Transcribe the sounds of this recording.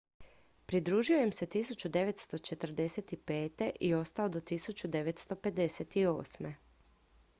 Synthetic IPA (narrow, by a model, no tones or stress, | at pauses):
pɾid̪ɾuːʒio̞jemse̞t̪isut͡ɕud̪e̞ʋe̞t̪st̪o̞t͡ʃe̞t̪r̩d̪e̞set̪ipe̞ːt̪e̞ʔio̞st̪aod̪ot̪isut͡ɕud̪e̞ʋet̪st̪o̞pe̞d̪e̞set̪io̞̰ːsme